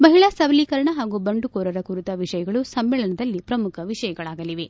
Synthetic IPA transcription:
bɐɦiɭɐsɐbɐliːkɐɾɐɳɐɦaːɡubɐɳɖukɔːɾɐɾɐkuɾut̪ɐʋiʂɐjɐɡɐɭusɐmːɛːɭɐnɐd̪ɐlːipɾɐmukʰɐʋiʂɐjɐɡɐɭaːɡɐliʋe̞

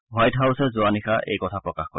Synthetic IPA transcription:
wajtɦawsɛzʊanixaʔḛjkɔtʰapɹɔkaxkɔ̰ɹ

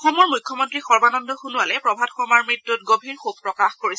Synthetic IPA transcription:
ɔxɔmɔɹmujkʰːɔmɔntɹixɔɹbanɔndɔxunʊalɛpɹɔbʱadxɔmaɹmɹitːut̚ɡobʱiɹxub̚pɹɔkaxkoɹis

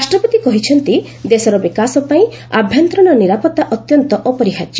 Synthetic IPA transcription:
asʈɾɔpɔd̪ikɔɦit͡ʃʰɔnt̪i | d̪esɔɾɔbikasɔpaĩ | abʱjɔnt̪ɾɔñɔniɾapɔt̪ːaʔɔt̪jɔnt̪ɔʔɔpɔɾiɦad͡ʒi

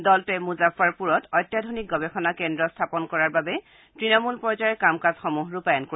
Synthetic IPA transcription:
dɔltʊɛmuzafaɹpuɹɔtɔjtːjadʱonik̚ɡɔbɛxɔnakɛndɹɔstʰapɔnkɔɹaɹbabɛ | tɹinɔmulpɔzaɹɛkamkazxɔmuɦɹupajɔnko

